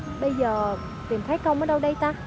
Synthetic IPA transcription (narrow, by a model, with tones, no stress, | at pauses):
ɓə˧jzəː˨˩ | t̪i˨˩mt̪ʰə˨˦jkə˧wməː˨˦ɗə˧wɗə˧jt̪aː˧